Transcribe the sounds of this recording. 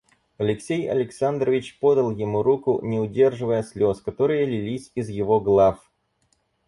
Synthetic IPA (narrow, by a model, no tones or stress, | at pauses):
ɐlʲɪksʲejɐ̰lʲɪksand̪ɾəvʲɪt͡ɕpo̞d̪əlˠjɪmuɾukʊnʲɪʊdʲe̞rʐɨvəjəsʲlʲo̞skɐt̪o̞ɾɨjəlʲɪlʲisʲɪzjɪvo̞ɡlˠaf